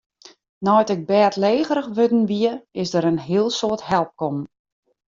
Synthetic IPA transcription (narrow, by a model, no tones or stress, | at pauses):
nɔjtɪk̚bɛːtleːɣəɾəxʋødn̩ʋiəɪsdəɾənɦiəlˠsoəthɛlˠp̚kɔm